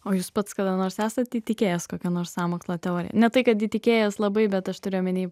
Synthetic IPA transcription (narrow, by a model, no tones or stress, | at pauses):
oːjuːspɐt̪skɐd̪ɐnoːɾsæːsɐt̪iːt̪ʲɪkʲeːjɛskoːkʲɛnoːrssɑːmoːkslˠɐt̪ʲɛoːɾʲɪ̰jɛ̰nʲɛt̪ɐɪkɐt̪iːt̪ʲɪkʲeːjɛslˠɐbɐɪbʲɛt̪ɐʃt̪ʊɾʲɪːjomʲɪnʲiː